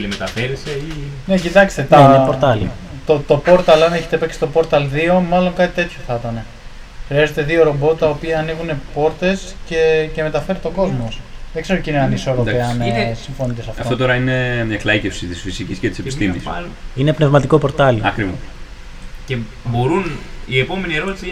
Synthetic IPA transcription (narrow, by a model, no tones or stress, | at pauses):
limet̪ɐfeɾeseine̞cit̪ɐkst̪et̪ɐeɲɐpoɾt̪ɐli | t̪ot̪o̞po̞ɾt̪ɐlɐneçe̞t̪epeksi̥t̪o̞po̞ɾt̪ɐlðio̞mɐlo̞ŋkɐt̪i̥t̪et̪çoθɐt̪ɐne̞ | xɾiɐze̞t̪e̞ðio̞ɾo̞bo̞t̪ːɐopiɐːniɣune̞po̞ɾt̪e̞sce̞ce̞me̞t̪ɐfeɾet̪o̞ko̞zmosðeɡze̞ɾocineɐniso̞ɾopeɐnsiɱfo̞nit̪e̞sɐftɐfoot̪oɾɐine̞mɲɐklɐicefsit̪isfisiciscet̪isepist̪immis | inepne̞vmɐt̪iko̞po̞ɾt̪ɐlɐkɾivo | ce | bo̞ɾuniepo̞menieɾot̪ise